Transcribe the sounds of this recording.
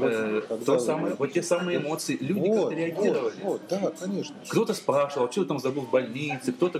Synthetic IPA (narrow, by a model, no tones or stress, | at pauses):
t̪osaməjəvot̪ːʲesamɨjəɪmo̞t̪sɨɪlʲudɪkakt̪əɾʲɪɐɡʲiɾəvəlʲɪd̪akɐnʲeʂ | kt̪o̞t̪əspɾaʂɨvəlˠt͡ɕot̪ət̪amzɐbɨlˠvbɐlʲnʲit̪sɨkt̪o̞t̪ə